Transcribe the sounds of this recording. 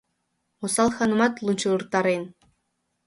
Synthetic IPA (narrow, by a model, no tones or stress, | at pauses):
osɑlˠxɑnŭmɑt̪lˠunt͡ɕɯɯrt̪ɑɾen